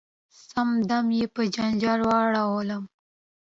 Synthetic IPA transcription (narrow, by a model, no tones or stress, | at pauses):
samd̪amjepəd͡ʒand͡ʒɑlwɑɽawolam